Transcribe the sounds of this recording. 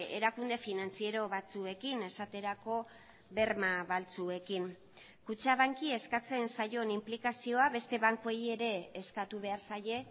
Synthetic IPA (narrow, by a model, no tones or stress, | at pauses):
e̞̰ɾakund̪e̞finant͡sie̞ɾo̞βat͡sue̞kine̞sat̪e̞ɾako̞ | βe̞ɾmaβalt͡sue̞kiŋ | kut͡ʃaβaŋkie̞skat͡se̞nsaʝo̞nimplikasio̞aβe̞st̪e̞βaŋko̞je̞ɾe̞ːskat̪uβ̞e̞aɾsaʎe̞